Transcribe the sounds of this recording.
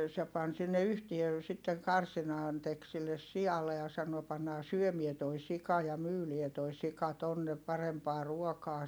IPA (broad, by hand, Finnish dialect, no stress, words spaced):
se pɑn sinːe yhtie sitːeŋ kɑrsinɑːn tek silːes siɑlːe jɑ sɑno pɑnːɑː syømie toi sikɑ jɑ myːlie toi sikɑ tonːe pɑrempɑː ruokɑː